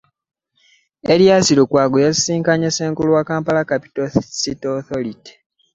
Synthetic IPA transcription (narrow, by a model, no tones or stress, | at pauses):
eɾjasiɾukwaːɡojazisiːŋkaɲeseːŋkuluwakaːmpalakapi̥tositoθoliti̥